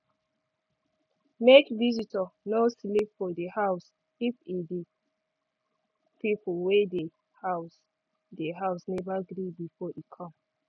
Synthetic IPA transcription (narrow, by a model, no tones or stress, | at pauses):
mekvizitɔnoslipfɔdehaʊs | ifidi | pipʰuwede | haʊs | deɦaʊsnɛvaɡɾibifɔikʰɔ̃m